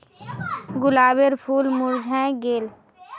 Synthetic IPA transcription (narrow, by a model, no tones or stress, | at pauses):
ɡʊlaːbeɾpʰuːlmʊɾd͡ʒʱɦɛ̃ɡeːl